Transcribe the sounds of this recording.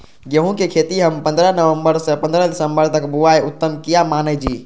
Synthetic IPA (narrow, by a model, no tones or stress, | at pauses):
ɡeɦũkekʰet̪iɦəmpənd̪ɾənəʋəmbəɾsəpənd̪ɾəd̪isəmbəɾt̪əkbuajut̪ːəmkijamanəd͡ʒi